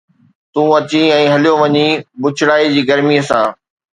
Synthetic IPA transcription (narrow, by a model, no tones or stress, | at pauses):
t̪ũːɐt͡ɕiɛ̃ːɦɐlijoʋɐɲibʊt͡ɕʰɪɽaːid͡ʑiːɡɐɾmiəsãː